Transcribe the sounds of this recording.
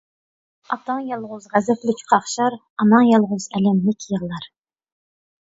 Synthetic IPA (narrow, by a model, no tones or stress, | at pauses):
ɑt̪ɑŋjɑlˠʁʊzʁæzɛplɪkʲʰqʰɑχʃɑɾ | ɑnɑŋjɑlˠʁʊzɛlɛmlɪkʲjəʁlˠɑɾ